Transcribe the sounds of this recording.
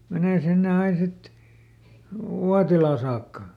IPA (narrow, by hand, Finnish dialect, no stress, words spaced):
meneˑ sinːe ɑin sit uɑtilɑˑ sɑːkːɑ